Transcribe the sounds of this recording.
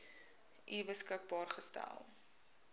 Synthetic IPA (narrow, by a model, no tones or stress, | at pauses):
ʔibəskək̚bɑːrχəstæ̰lˠ